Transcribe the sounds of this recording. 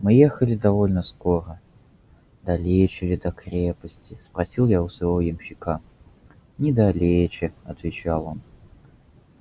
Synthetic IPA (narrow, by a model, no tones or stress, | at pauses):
mɨjexəlʲɪd̪ɐvolʲnəskoɾə | d̪ɐlʲet͡ɕɪlʲɪd̪ɐkɾʲepəsʲtʲɪspɾɐsʲilˠjaʊsvavojɪmɕːɪka | nʲɪd̪ɐlʲet͡ɕɪɐt̪vʲɪt͡ɕalˠo̞n